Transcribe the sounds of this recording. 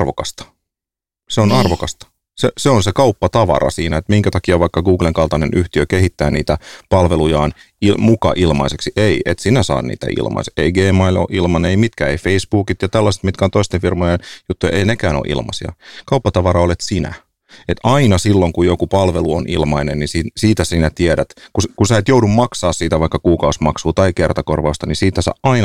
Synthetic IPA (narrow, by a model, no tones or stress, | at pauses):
rʋokɑst̪ɑ̥ | seonɑrʋokɑst̪ɑ̥ | seseonsekɑupːɑt̪ɑʋɑ̰ɾɑ̰siːnæet̪miŋkæt̪ɑkiɑʋɑikːɑɡuːɡleŋkɑlt̪ɑnenʔyht̪iøkehit̪ːæːniːt̪æpɑlʋelujɑːn | imukɑ̰ʔilmɑ̰iseksiʔeiʔet̪sinæsɑ̰ːnnḭːt̪æ̰ʔḭlmʔɑ̰iseeiɡeːmɑilo̰ʔilmɑneimit̪kæeifeisb̥uːkit̪jɑt̪ælːɑse̥t̪mit̪kæont̪oist̪efirmojenjut̪ːujɑ̰ʔeinekæːno̰ʔḭlmɑ̰sḭɑ̰kɑupːɑt̪ɑʋɑrɑolet̪sinæ̰ | et̪ɑinɑsilːoŋkujokupɑlʋeluonʔḭlmɑinennisisiːt̪æsinæt̪ieɾæt̪kuskusæːet̪joudummɑksɑːssiːt̪æʋɑikːɑkuːkɑusmɑksuːt̪ɑikert̪ɑkorʋɑust̪ɑnisiːt̪æsɑ̰ːʔʔɑin